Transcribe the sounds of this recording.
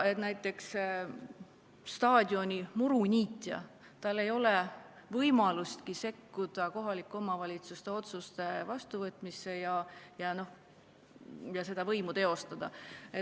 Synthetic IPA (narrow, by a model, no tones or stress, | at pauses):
e̞t̪næjt̪ːˑe̞ks | st̪ɑːd̪ʲio̞nʲimuɾunʲiːt̪ʲːˑjɑ̰ | t̪ɑlːe̞jo̞le | vɤjmɑlust̪kise̞kːud̪̥ɑko̞ɦɑlikːˑuo̞mɑvɑlʲit̪sust̪e̞o̞t̪sust̪e̞vɑst̪uvɤt̪ːˑmisːe̞jɑjɑno̞h | jɑse̞d̪̥ɑvɤjmut̪e̞o̞st̪ɑd̪̥ɑe